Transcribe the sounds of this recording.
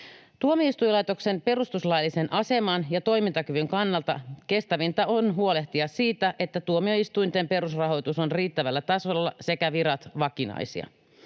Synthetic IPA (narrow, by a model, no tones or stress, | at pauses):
t̪uomiist̪ujlɑjt̪o̞kse̞mpe̞rust̪uslɑjlːise̞nʔɑse̞mɑnjɑt̪o̞jmint̪ɑkyʋyŋkɑnːɑlt̪ɑke̞st̪æʋint̪ɑonɦuole̞ht̪iɑssiːt̪æʔe̞t̪ːæt̪uomio̞ist̪ujnt̪e̞mpe̞ɾusrɑɦo̞jt̪usonriːt̪ːæʋælːæt̪ɑsolːɑse̞kæʋiɾɑt̪ʋɑkinɑ̰jsḭɑ̰